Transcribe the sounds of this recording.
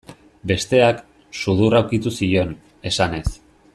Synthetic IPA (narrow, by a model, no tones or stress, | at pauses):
be̞st̪e̞ak | suð̞urawkit̪usio̞n | e̞sane̞s